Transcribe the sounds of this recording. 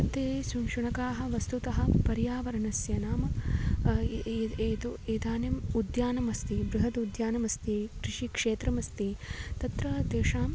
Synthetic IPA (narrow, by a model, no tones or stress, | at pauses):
ɐt̪eːsuʃuɳɐkaːɦɐ̆ʋɐst̪ut̪ɐɦɐ̆pɐɾjaːʋɐɾɐnɐsjɐnaːmɐ | eːt̪ueːd̪aːnjɐmud̪jaːnɐmɐst̪ibɾuɦɐt̪ud̪jaːnɐmɐst̪ikɾɪʂikʂeːt̪ɾɐmɐst̪it̪ɐt̪ɾɐd̪eːʂaːm